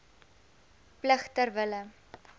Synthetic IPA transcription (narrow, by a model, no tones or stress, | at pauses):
pləχtərvələ